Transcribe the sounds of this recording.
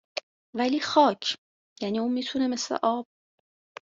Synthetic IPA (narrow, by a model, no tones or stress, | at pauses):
væliːxɒːcʰ | jæniːuːnmiːt̪ʰune̞me̞slḛʔɒːb̥̚